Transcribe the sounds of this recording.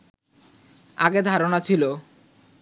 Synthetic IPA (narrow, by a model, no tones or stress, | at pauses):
a̰ɡed̪ʱaɾonat͡ɕʰilo